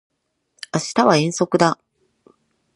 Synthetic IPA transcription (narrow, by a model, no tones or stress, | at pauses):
aɕi̥t̪aβaẽ̞ɰ̃so̞kɯ̟d̪a